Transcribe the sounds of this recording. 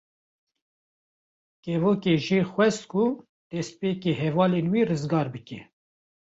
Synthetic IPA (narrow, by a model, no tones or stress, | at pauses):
kɛvoːkeːʒiːxwɛst̪̚ku | d̪̥ɛst̪̚peːkeɦɛvɑːleːnwiːrɨzɡɑːɾbɨkɛ